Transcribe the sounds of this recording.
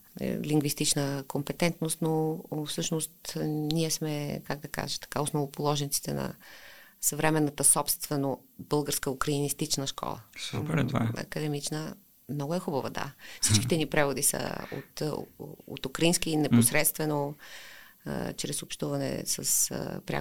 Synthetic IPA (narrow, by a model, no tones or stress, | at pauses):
liŋɡvist̪it͡ʃnəkompɛt̪ɛnt̪nost̪nofsɤʃnost̪niɛsmɛkaɡ̚d̪ɐka̰ʒɛt̪ɐ̥kaosnovopolˠɔʒɛnit̪si̥t̪ɛ̰nɐ̰ | səvɾɛmɛnːət̪əsɔpst̪vɛnobɤlˠɡəɾskəʊkɾɐinist̪it͡ʃnəʃkɔ̰lˠə̰spɾt̪vaɐ̰kəd̪ɛmit͡ʃnə | mnɔɡʊɛxubɐvɐd̪a̰fsit͡ʃkʲit̪ɛnipɾɛvod̪isə̰o̰t̪ | o̰t̪ukɾɐinskiːnɛposɾɛt̪st̪vɛno̰ | t͡ʃɾɛsopʃt̪uvɐnɛ̰sə̰spɾja̰